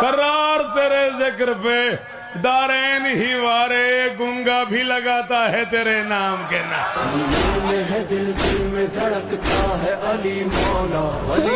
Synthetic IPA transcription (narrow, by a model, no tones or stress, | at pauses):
kɐɾaːɾt̪eːɾezɪkɾpe | d̪aːɾeːnɦiʋaːɾeɡʊ̃ŋɡabʱilɐɡaːt̪aɦɛt̪eːɾenaːmkeːna̰ːɪlmẽɦɛd̪ɪlfɪlmẽt̪ɐɽəkt̪aɦɛʔɐlimɔlaː